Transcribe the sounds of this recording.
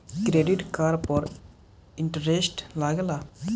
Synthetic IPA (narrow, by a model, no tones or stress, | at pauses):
kɾeɖiʈkaɾpɔɾ | ɪɳʈəɾesʈlaːɡela